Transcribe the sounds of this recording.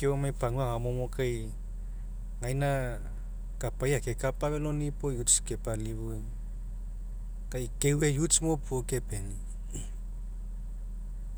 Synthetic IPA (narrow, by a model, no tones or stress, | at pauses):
keomajpaŋuaŋamomokʰaj | ŋajna | kapajakekapaβelonipojut͡ʃkepaliβuj | kajkewwejut͡ʃmopokepeni